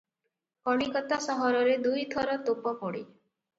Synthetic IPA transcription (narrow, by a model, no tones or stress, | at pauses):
kɔɽ̃ikɔt̪asɔɦɔɾɔɾed̪ujt̪ʰɔɾɔt̪opɔpɔɽi